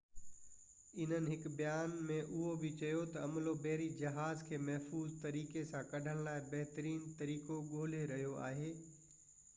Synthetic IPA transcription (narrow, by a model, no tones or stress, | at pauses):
ɪn̤ənɪ̆ɦɪkbɐjaːnmẽʔʊɦobɪt͡ɕɐjot̪ɐɐmlobɛɦɾid͡ʑɐɦaːzkʰeːmɐɦfuːzt̪ɐɾiːkesãkɐɖʱəɽ̃laːɪbɐɦt̪əɾiːnt̪ɐɾiːkoɠoːleɾɐɦijoa̰ːɦeː